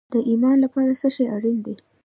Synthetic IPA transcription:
d̪əʔimɑnlapɑɾasəʃeaɽind̪e

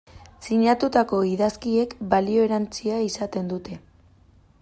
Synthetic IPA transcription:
siɲat̪ut̪ako̞iðaskie̞kbalio̞eɾant͡siaisat̪e̞nd̪ut̪e̞

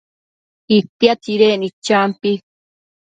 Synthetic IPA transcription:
it̪jat̪iɾeːnit͡ʃampi

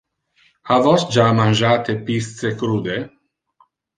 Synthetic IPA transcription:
havɔsd͡ʒaːmanʒaːt̪epist̪t͡sekɾud̪e

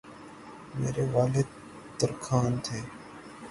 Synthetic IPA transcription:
mḛːɾeːʋaːled̪ | t̪əɾkʰaːnt̪ʰeː

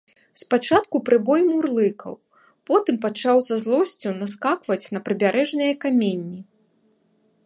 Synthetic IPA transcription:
spat͡ʂat̪kupɾɨbɔjmurlˠɨkʰɐ̰w | pɔt̪ɨmp̬at͡ʂawzazlˠɔsʲt͡sʲunaskakvɐt͡sʲnɐpɾɨbʲaɾʔɛʐnɨjɐkamʲenʲːi

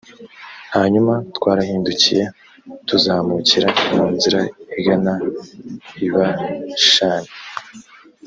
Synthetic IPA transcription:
haɲumatwaːɾahiːnducije̞ | tuzaːmuciɾamuːnziɾaiɡana | iβaʃaːne

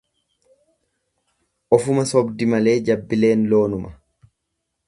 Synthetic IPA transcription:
ʔɔfʊmɐsɔbd̪ɪmɐle̞ːd͡ʒɐbːɪle̞ːnlo̞ːnʊmɐ

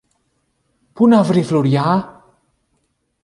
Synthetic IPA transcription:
pʰunavrɪvluɾjaː

